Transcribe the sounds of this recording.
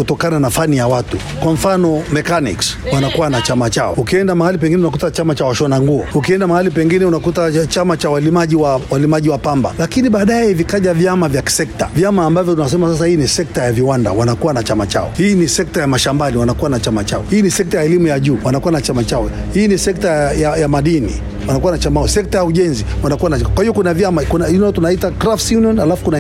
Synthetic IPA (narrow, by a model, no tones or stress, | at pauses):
kutɔkananafanijawatu | kwam̩fanɔmɛkanḭkswanakuwanat͡ʃamat͡ʃaɔ̰ukiɛndamahalipɛŋɡinɛunakutat͡ʃamat͡ʃawaʃɔnaŋɡuɔ̰ukiɛndamahalipɛŋɡinɛunakutat͡ʃamat͡ʃawalimaʄiwawalimaʄiwapamba̰lakiniɓaːɗaɛjɛivikaʄavjamavjaki̥sɛk̚ta̰vjamaːmbavjɔtunas̬ɛmasas̬ahiːnisɛk̚tajaviwanda̰wanakuwanat͡ʃamat͡ʃa̰ɔ̰hiːnisɛk̚tajamaʃambaliwanakuwanat͡ʃamat͡ʃaɔhiːnisɛk̚tajaɛlimujaʄuːwanakuwanat͡ʃamat͡ʃaɔ | hiːnisɛk̚tajajamaɗinḭ | wanakuwanat͡ʃamasɛk̚tajauʄɛnziwanakuwanakwahijɔkunavjamakunaintunaitakɾaftjuniɔnalafu̥kuna